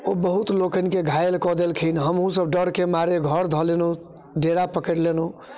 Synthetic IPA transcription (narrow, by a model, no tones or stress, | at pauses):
obəɦut̪lokənkeɡʱajelkɔd̪elkʰinɦəmɦũsəbɖəɽkemaɾeɡʱəɾd̪ʱɔleno | ɖeɾapəkəɾleno